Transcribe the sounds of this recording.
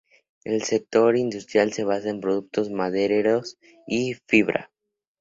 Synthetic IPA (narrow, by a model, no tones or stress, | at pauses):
e̞lse̞k̚t̪o̞ɾind̪ust̪ɾjalse̞β̞asaempɾo̞ðuk̚t̪o̞zmaðeɾeɾos | ifiβɾʔa̰